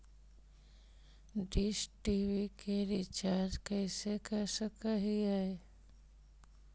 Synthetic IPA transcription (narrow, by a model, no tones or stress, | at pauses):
ɖisʈiʋikeɾit͡ʃaɾd͡ʒkəɪsekəɾsəkaɦiɦae